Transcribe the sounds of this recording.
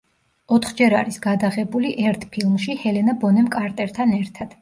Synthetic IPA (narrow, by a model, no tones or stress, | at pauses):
ɔt̪ʰχd͡ʒɛɾa̰ɾisɡad̪aʁɛbuliʔɛɾt̪ʰpʰilˠmʃihɛlɛnabɔnɛmkʼaɾt̪ʼɛɾt̪ʰanɛɾt̪ʰad̪̥